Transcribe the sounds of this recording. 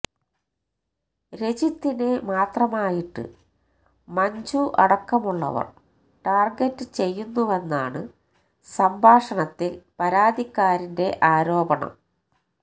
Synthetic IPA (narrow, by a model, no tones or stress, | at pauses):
ɾe̞t͡ɕit̪ːine̞maːt̪rɐmaːjiʈːɨ̰ | mɐɲd͡ʑuʔɐ̰ɽɐkːɐmuɭːɐ̰ʋɐ̰r | ʈaːrɡetːɨt͡ɕe̞jːunːuʋe̞nːaːɳɨ | sɐmbʱaːʂɐɳɐt̪ːipɐɾaːd̪ʱikːaːɾinde̞ʔaːɾo̞ːbɐɳɐ̰m